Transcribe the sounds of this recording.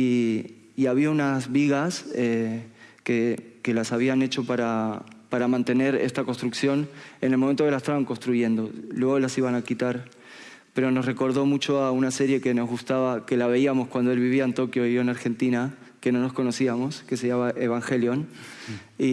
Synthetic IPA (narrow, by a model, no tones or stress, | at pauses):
iː | aβiaunazβiɣasekeke̞lasaβ̞iane̞t͡ʃo̞paɾapaɾamãnt̪e̞ne̞ɾest̪ako̞nst̪ɾuksjo̞ne̞nelmoment̪o̞kelaest̪aβaŋko̞nst̪ɾuʝe̞nd̪o̞lwe̞ɣolasiβanakit̪aɾ | pe̞ɾo̞nosre̞ko̞ɾðo̞mut͡ʃo̞aunase̞ɾje̞ke̞no̞zɣust̪aβake̞laβe̞iamo̞skwand̪o̞e̞lβiβiaent̪o̞kjo̞ioenaɾxe̞nt̪ina | ke̞no̞no̞sko̞no̞siamo̞ske̞seʝaβaʔeβaŋxeljo̞n | i